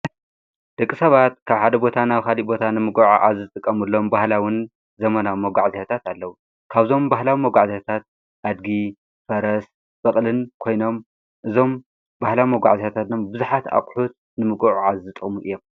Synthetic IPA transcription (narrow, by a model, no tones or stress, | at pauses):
d̪̥ɐkʼːisɐβat̪kʰaβħad̪ɐbo̞t̪ʰanaβkalibo̞t̪ʰanɨmɨɡoʕuʕazzɨt̪ʼɨkʼːɐmɨlːo̞mbahlawɨn | zɐmɐnawimɐɡʷaʕzeat̪ʰat̪alːɐwu | kʰaβzo̞mbahlawimɐɡʷaʕziat̪ʰat̪̚ | ʔad̪ɡi | fɐɾɐs | bɐχʼlɨnkʰo̞jno̞m | ʔɨzo̞m | bahlawimɐɡʷa̰ʕzet̪at̪ʰat̪nombɨzuħat̪a̰χʼħut̪̚ | nɨmɨɡoʕuʕazzɨt̪ʼɨχʼmuʔɨjːom